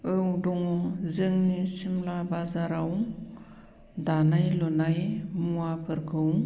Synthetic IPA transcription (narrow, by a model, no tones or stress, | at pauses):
ɯwdɔŋɔzɯŋnisimlabazaɾaw | danajlɔnajmuapʰɯɾkʰɯw